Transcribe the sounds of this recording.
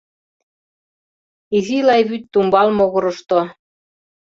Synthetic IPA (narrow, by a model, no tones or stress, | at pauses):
izilɑjβyt̪ːumbɑlmoɣɤ̆ɾɤ̆ʃt̪o